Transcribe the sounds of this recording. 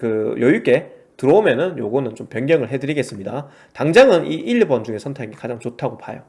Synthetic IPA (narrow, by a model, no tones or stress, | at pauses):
kɯjʔʌik͈e̞ | tɯɾʌomjʌnɯnjoɡʌnɯnt͡ɕompjʌnɡjʌŋɯɭɦedɯɾiɡe̞s͈ɯmɲida | taŋd͡ʑaŋɯnʔiʔiʎbʌnd͡ʑuŋe̞sʰʌntʰe̞ɡikad͡ʑaŋt͡ɕotʰaɡopajo̰